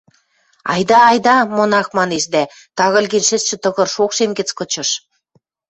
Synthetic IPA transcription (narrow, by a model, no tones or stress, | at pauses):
ɑ̰jd̪ɑːjd̪ɑmonɑxmɑneʃd̪æ | t̪ɑɣɤ̆lʲɣenʃɘ̆sʃɘ̆t̪ɤ̆ɣɤ̆rʃokʃemɡɘ̆t͡skɤ̆t͡ɕɤ̆ʃ